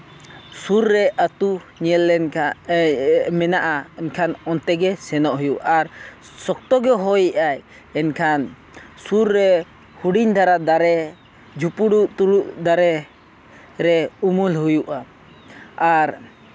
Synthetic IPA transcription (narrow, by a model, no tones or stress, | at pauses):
suɾːɛʔat̪u | ɲɛlːɛ | mɛnaʔaɛnkʰanɔnt̪ɛɡɛsɛnɔʔɦujuʔaɾ | sɔk̚t̪ɔɡɛɦɔjiʔaj | ɛnkʰan | suɾːɛ | huɖiɲd̪ʱaɾad̪aɾɛ | d͡ʒʱupuɽuʔt̪uluʔd̪aɾɛ | ɾɛumulhujuʔa | aɾ